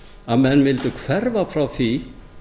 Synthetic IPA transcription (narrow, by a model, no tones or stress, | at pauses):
aðmɛnːvɪlt̪ʏkʰvɛɾvafɾawθi